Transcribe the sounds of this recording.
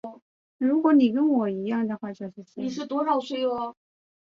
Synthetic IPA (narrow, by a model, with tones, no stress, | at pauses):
ɻu˧˥kwɔ˧˥ni˨˩kə˥nwɔ˨˩i˧˥jɑ˥˩ŋd̪ə˩xwa˥˩t͡ɕjo˥˧ʊʂɻ̩˥˩t͡ɕʰi˥i˨˩ʂɻ̩˥˩t̪wɔ˥ʂɑ˨˩ʊswe˥˩ɪə˧˩